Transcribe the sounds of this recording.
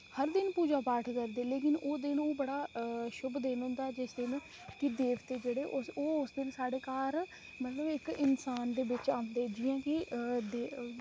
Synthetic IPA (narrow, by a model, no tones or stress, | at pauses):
həɾd̪ɪnpuːd͡ʒaːpaːʈʰkəɾd̪eːleːk̬ɪnʔoːd̪ɪnoːbəɽaːʃʊbd̪eːnɦʊ̃nd̪aːɛd͡ʒɪsd̪ɪn | kɪd̪eːʋt̪eːd͡ʒeːɽeːʔʊsoːʊsd̪ɪnsaːɽeːkaːɾ | mɛːt̪ləbɪkɪnsaːnd̪eːbɪt͡ʃãːnd̪eːd͡ʒiːãːkɪd̪eː